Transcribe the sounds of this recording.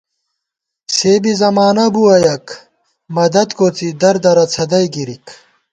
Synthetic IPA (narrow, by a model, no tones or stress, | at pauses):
seːbizɐmaːnɐbuɐjɐk | mɐd̪ɐd̪koːt͡sid̪ɐɾd̪ɐɾɐt͡sʰɐd̪ɐjɡiɾik